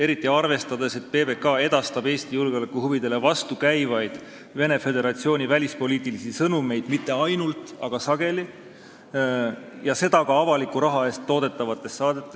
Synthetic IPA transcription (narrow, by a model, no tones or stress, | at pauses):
e̞ɾit̪ːˑiɑrve̞st̪ɑd̪e̞se̞t̪̚pebe̞kɑe̞d̪̥ɑst̪ɑbe̞ːst̪ijulɡeo̞lekːuhuvid̪e̞le̞vɑst̪ukæjvɑjd̪̥ | ve̞ne̞fe̞d̪e̞ɾɑt̪sio̞ːnʲivælʲispo̞liːt̪ːˑilisisɤnume̞jd̪̥mit̪ːe̞ɑjnult̪ˑɑɡ̥ɑsɑɡ̥e̞li | jɑse̞d̪̥ɑkɑɑvɑlikːˑuɾɑɦɑe̞ːst̪ːo̞ːd̪̥e̞t̪ːˑɑvɑt̪ːˑe̞sːɑːd̪̥e̞t̪ːˑe̞s